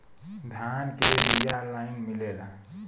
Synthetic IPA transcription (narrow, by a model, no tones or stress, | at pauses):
d̪ʱankeʋijaɾlainmilela